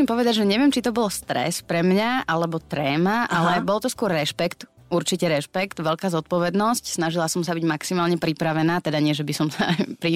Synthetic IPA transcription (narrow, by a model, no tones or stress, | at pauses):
impɔʋɛd̪aɟʒɛɲɛʋɪɛmt͡ʃit̪ɔbɔlst̪ɾɛ̰spɾɛmɲaʔalɛbɔt̪ɾɛːmaʔalɛbɔlt̪ɔskʊɔɾːɛʃpɛkt̪ | uɾt͡ʃicɛɾɛʃpɛkt̪ʋɛʎkaːzɔt̪̚pɔʋɛd̪nɔscsnaʒilasɔmsabiɟmaksimaːlɲɛpɾipɾaʋɛnaːt̪ɛd̪aɲɪɛʒɛbisɔmsapɾi